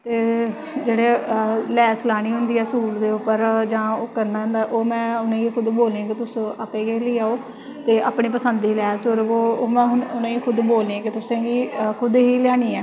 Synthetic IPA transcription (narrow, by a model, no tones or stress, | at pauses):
t̪eː | d͡ʒeːɽeːlɛːslaːɽ̃iːɦʊnd̪iːɛːsuːɾd̪eːʊpːəɾd͡ʒãːoːkəɾnd̪aːɦʊ̃nd̪aːɛːʔoːmɛ̃ːʊnẽːɡiːkʰʊd̪boːlẽãːkɪt̪ʊsõːʔəpeːɡeːliːaːoː | t̪eːʔaːpɳiːpəsənd̪iːlɛːsoːɾoːoːmɛ̃ːɦʊnʊnẽːiːkʰʊd̪boːlẽãːkɪt̪ʊsãːɡiːkʰʊd̪eːiːlɪjaːɽ̃iːɛː